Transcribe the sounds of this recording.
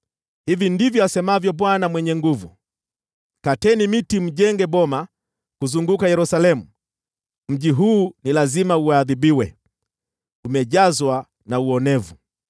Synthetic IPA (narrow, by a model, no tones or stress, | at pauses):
hivindivjɔasɛmavjɔɓwanamwɛɲɛŋɡuvu | katɛnimitim̩ʄɛŋɡɛɓɔma | kuzuŋɡukajɛɾusalɛmu | m̩ʄiɦuːnilazimauaːðibiwɛ | umɛʄazwa | nauɔnɛvu